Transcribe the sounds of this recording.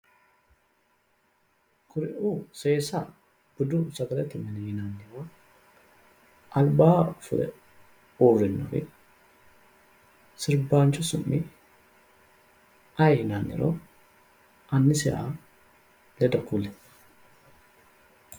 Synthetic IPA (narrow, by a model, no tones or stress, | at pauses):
kʰʊɾɪʔuːseːsa | b̥ʊd̪usɐɡɐlɛt̪ɪmɛnɛhɪnaːnːɪɾo | ʔɐlbaːfʊ̰d̪ɛ̰ | uːrːɪnːɔ̰fɪ̰ | sɪɾbaːnt͡ʃɔsʊmːɪ | ʔɐjhɪnaːnːɪ̰ɾo̰ | ʔɐnːɪsɛ̰ʔa̰ | lɛd̪ɐkulɛ